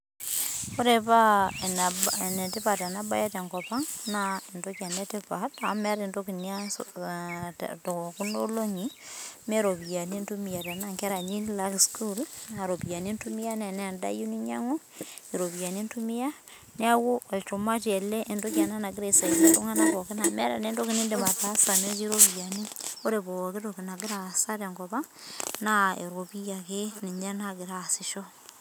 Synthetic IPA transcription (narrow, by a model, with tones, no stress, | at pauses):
ko˦ɾe˨pa˦n˨bnɛ˨tɪ˦pa˨ta˨na˦ba̰˦ja˦ta˨ŋkɔ˨pa˦ŋna˦ɪ˨ntokja˨nɛ˦tɪ˦pa˨ta˨˦mɛ˦ɾi˨ndo˦ki˨nja˦ | tɔ˨ku˦no˦lo˦ɲi˨me˦ɾo˨bi˨ja˨ni˦ntu˦mi˨ja˨ta˨na˦ŋkɛ˦ɾa˨ɲi˦nla˦ɡsku˦la˨ɾo˨pi˨ja˨ni˦ntu˦mɪ˦ja˦nɛ˨nɛ˦˨nda̰˦ju˦ni˦ɲa̰˦ŋu˦ | e˨ɾo˨βi˨ja˨ni˦ntu˦mi˦ja˦ | ne˦a˦ɣo˦e˨t͡ʃo˨ma˦t͡ʃe˨le˦ʔe˨ndo˦kja˨na˦na˨ɡi˦ɾe˨sa˨i˨ne˨to˦ŋa˦na˨˦ko˨ke˦na˨mɛ˦ɾa̰˨ne˦ndo˦ki˦ne˦nde˨ma˨ta˦sa˨ne˦ki˦ɾo˦βi˨ja˨ni˦o˦ɾe˨βo˨ke˦to˨ki˨na˨ɡi˦ɾa˨sa˦ɾe˨ŋɡoβa˦na˦ḛ˨ɾwo˨pi˦ja˨ke˦ni˨ɲa˦na˦ɡɪ˨ɾa˨sɪ˨ʃo˦